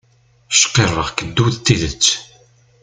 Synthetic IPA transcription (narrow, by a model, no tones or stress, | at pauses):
ʃqːerˤːəʁkəd̪ːuðt̪ːiðət͡sː